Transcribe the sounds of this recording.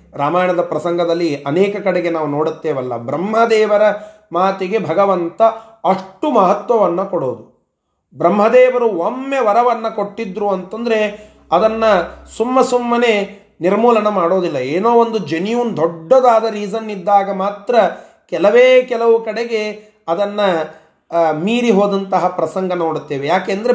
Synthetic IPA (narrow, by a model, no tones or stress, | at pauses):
ɾaːmaːjɐɳɐd̪ɐpɾɐsɐŋɡʱɐd̪ɐlːiɐnɛːkɐkɐɽeɡe̞naːʋuno̞ːɽut̪ːeːʋɐlːɐ̰bɾɐmɦɐd̪ɛːʋɐɾɐ | maːt̪iɡe̞bʱɐɡɐʋɐnt̪ɐ | ɐʂʈumɐɦɐt̪ʋɐʋɐnːɐkoɽoːd̪u | bɾɐmɦɐd̪ɛːʋɐɾuomːe̞ʋɐɾɐʋɐnːɐkoʈːid̪ɾuɐnt̪ɐnd̪ɐɾe̞ | ɐd̪ɐnːɐsumːɐsumːɐne̞ | niɾmuːlɐɳɐmaːɽo̞ːd̪ilːɐeːnoːond̪ud͡ʒenijund̪ʱɔɖːɐd̪aːd̪ɐɾiːd͡ʒɐnːid̪ːaːɡɐmaːt̪ɾɐ | kɛlɐʋeːkɛlɐʋukɐɽeɡe̞ | ɐd̪ɐnːɐ | miːɾiɦoːd̪ɐnt̪ɐɦɐpɾɐsɐŋɡɐnoːɽut̪ːeːʋejaːkeːɐnd̪ɐɾe